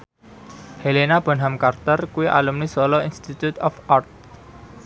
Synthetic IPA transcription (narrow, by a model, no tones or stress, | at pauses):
helenab̥ə̤nɦamkart̪ərkuwiʔa̰lumnisɔlɔinst̪it̪ut̪ɔfart̪̚